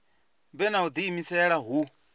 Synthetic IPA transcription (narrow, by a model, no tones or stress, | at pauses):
mbɛnaud̪iːmisɛɺaɦu